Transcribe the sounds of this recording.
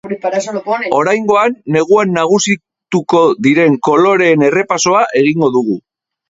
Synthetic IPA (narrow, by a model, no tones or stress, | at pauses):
o̞ɾajŋɡo̞anːe̞ɣ̞uanːaɣ̞usi | t̪uko̞ðiɾe̞ŋko̞lo̞ɾe̞ːne̞re̞paso̞aʔe̞ɣ̞iŋɡo̞ðuɣ̞u